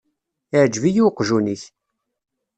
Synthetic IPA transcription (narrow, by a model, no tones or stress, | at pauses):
ɪʕd͡ʒvijuqːʒuniç